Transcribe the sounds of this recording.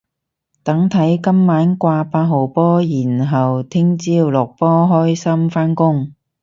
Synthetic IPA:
t̪ɐ˨˥ŋt̪ʰɐ˨˥jkɐ˥mːaː˨˥nkʷaː˧paː˧t̚ɦo˨˩wpɔː˥jiː˨˩nɦɐ˨wt̪ʰɪ˥ŋt͡siː˥wlɔː˨˩k̚pɔː˥ɦɔː˥jsɐ˥mfaː˥nkʊ˥ŋ

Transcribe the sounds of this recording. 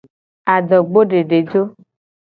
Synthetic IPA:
a˨ɖɔ˨ɡ͡bo˦ɖe˨ɖe˨d͡ʒo˦

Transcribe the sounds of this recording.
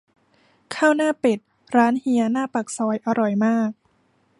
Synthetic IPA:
kʰaː˥˩wnaː˥˩pe˨˩t̪̚ | ɾaː˦˥nhi˧˥ɐnaː˥˩pa˨˩k̚sɔː˨˦˥jʔa˧ɾɔ˨˩jmaː˥˩k̚

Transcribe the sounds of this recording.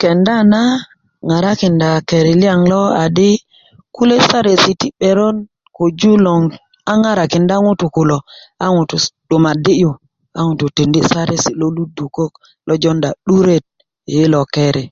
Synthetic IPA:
kɛ˨nda˦˨na˦ | ŋa˨ɾa˦ki˨nda˨ke˨ɾi˨li˦a˨ŋlɔ˦a˨di˦ | ku˦le˦sa˦ɾe˨si˨ti˦ɓe˨ɾɔ˦n | ko˨d͡ʒu˦lɔ˨ŋ | a˦ŋa˦ɾa˨ki˨nda˦ŋu˦tu˨ku˨lo˨a˦ŋu˨tu˨ɗ̥u˨ma˨di˦ju˨ | a˦ŋu˨tu˨te˨ndi˦sa˦ɾe˦si˨lo˦lu˦du˨ko˦k | lɔ˦d͡ʒɔ˦nda˨ɗu˦ɾe˦t̚ː | lɔ˨ke˦ɾi˨

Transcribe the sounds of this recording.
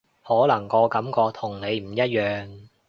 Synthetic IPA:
hɔː˨˥lɐ˨˩ŋkɔː˧kɐ˨˥mkɔː˧k̚t̪ʰʊ˨˩ŋne˨˧jm̩˨˩jɐ˥t̚jœː˨˧ŋ

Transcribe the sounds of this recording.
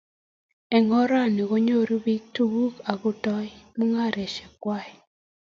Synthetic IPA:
ɛ˨ŋɔ˦ɾa˦˨ni˨ko˦ɲo˦ɾu˦bi˦tu˨ɡu˦ka˨ɡʊ˨tɔ˦jmu˦ŋa˦˨ɾe˨ʃɛ˨kwa˦˨

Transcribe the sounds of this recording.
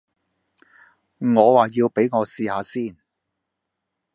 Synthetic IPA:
ŋɔː˨˧waː˨˩jiː˧wpe˨˥jŋɔː˨˧siː˨˧haː˨˧siː˥˩n

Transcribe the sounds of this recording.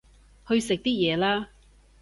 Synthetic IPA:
hɵ˧ɥsɪ˨k̚t̪iː˥jɛː˨˧laː˥

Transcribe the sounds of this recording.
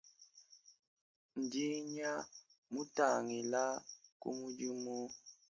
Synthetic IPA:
n̩˨di˦ɲa˦ | mu˦ta˨ŋi˨la˦kṵ˦mu˦d͡ʒi˦mu˦

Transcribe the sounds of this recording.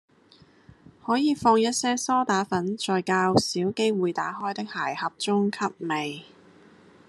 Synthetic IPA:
hɔː˨˥jiː˨˧fɔː˧ŋjɐ˥t̚sɛː˥sɔː˥t̪aː˨˥fɐ˨˥nt͡ʃɔː˨jkaː˧wsiː˨˥wke˥jwuː˨jt̪aː˨˥ɦɔː˥jt̪ɪ˥k̚haː˨˩jhɐ˨p̚t͡sʊ˥ŋkʰɐ˥p̚me˨j

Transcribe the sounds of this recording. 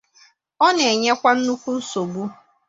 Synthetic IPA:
ɔ˦ne˨ɲe˦kʷa˦n̩˦nu˦kʷu˦n̩˦so˨bu˦

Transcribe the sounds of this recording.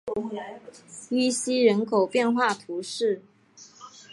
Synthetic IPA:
y˥ɕi˥ɻə˧˦˥nkʰo˨˩ʊpjɛ˥˧nxwa˥˩t̪ʰu˨˧˦ʂɻ̩˥˨

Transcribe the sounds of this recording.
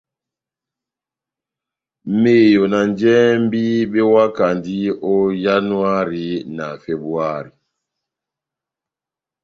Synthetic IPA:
me˦˨jo˨na˨nd͡ʒɛ˦m˦bi˦ɓe˦wa˦ka˨ndi˦o˦ja˦nu˦a˦ɾi˨˦na˨fe˨bɾu˦a˦˨ɾi˨

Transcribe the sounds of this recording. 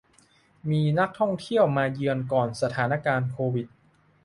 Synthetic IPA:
miː˧na˦˥k̚t̪ʰɔ˥˩ŋt̪ʰi˥˩əwmaː˧jɯ˧ənkɔː˨˩nsa˧t̪ʰaː˩˦na˦˥kaː˧nkʰoː˧wi˨˩t̪̚

